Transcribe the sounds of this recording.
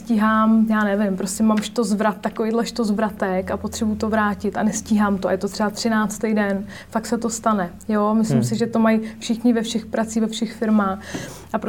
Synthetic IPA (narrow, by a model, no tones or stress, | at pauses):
ciɦaːmjaːnɛvɪmpɾoscɛmamʃt̪ozvɾat̪̚ːakovejdlɛʃt̪ozvɾat̪ɛkapot̪r̝̥ɛbujt̪ovɾaːcɪt̪a̰nɛsciːɦaːmt̪oa̰jɛt̪o̞t̪r̥ɛbat̪r̝̥ɪnaːt͡st̪ejdɛn | fak̚t̪sɛt̪o̞st̪anɛ | joːmɪslɪmsɪʒɛt̪o̞majfʃɪxɲɪvɛfʃɛxpɾat͡siːvɛfʃɛxfɪɾmaːx | ʔap